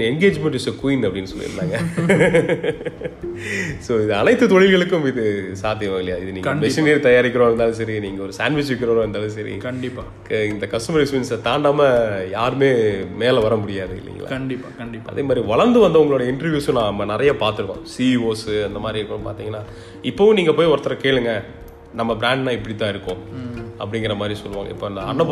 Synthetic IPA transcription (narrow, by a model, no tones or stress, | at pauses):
ɛŋɡeːd͡ʒmɛɳʈɪsɐkʊɪnɐpːɐɽɪnːɯsɔlːḭɾɯnːaːŋɡɐ | soːɪðɯɐnɐɪt̪ːɯt̪ɔɭɪlɣɐɭɯkːʊ̃mɪðɯsaːt̪ːɪjɐʋaɣɪɭɪjaːɪðɯniːŋɐʋɛsɐneːɾt̪ɐjaːɾɪkːɪɾõːɾɯnd̪aːlɐs̬ɐɾiniːŋɡɐɔɾɯsaːnʋɪsʋɪkːɪɾɐɾõːɛnd̪aːlɐsɐɾḭkɐɳɪpːa | kɪnd̪ɐkɐsʈɐmɐɾɪsʋɪnst̪aːɳɖaːmɐjaːɾɯmeːmeːlɐʋɐɾɐmʊɽɪjaːðɯɪ̰lːɪ̰ːŋɡɐɭa̰ɐɳɖɪpːɐɪɐ̰ðeːmaːd̪ɾiʋɐɭɐɾnd̪ɯʋɐnd̪ɐʊŋɡɐɭoːɽɐɪɳʈɐɾʋjuːsõnãːɐmːɐnɪɾɐjapaːɾt̪ɯɾɯkːõ̰ːsioːsɯɐnd̪ɐmaːd̪ɾikːʊɽɐpa̰ːɾt̪iːŋɡɐnːaː | ɪpːõːniːŋɡɐpoːjɔɾɐt̪ːɐɾɐkeːɭɯŋɡɐ | nɐmːɐbɪɾaːɳɖnãːɪpːɐɽɪt̪ːãːɪɾɯkːõɐ̰pːɐɽɪŋɡɐɾɐmaːd̪ɾisɔlːɯʋaːŋɡɐ̰ɪ̰pːoːɐɪnd̪ɐɐnːɐ